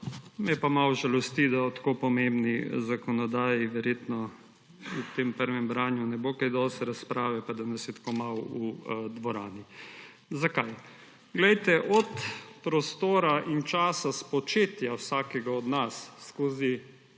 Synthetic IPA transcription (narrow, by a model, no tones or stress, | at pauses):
mɛpamawʒalɔst̪id̪aɔt̪kopɔmembnizakɔnɔd̪aːjiʋɛɾjeːt̪nɔ | ut̪empəɾʋɛmbɾaːnjunɛbokajd̪ɔst̪ɛɾaspɾaːʋɛpad̪anɛsɛt̪komawud̪ʋɔɾaːni | zakaj | ɡlɛjt̪ɛʔɔt̪pɾɔst̪oːɾaʔint͡ʃaːsaspɔt͡ʃeːt̪jawsaːkɛɡaɔd̪nasːkoːzi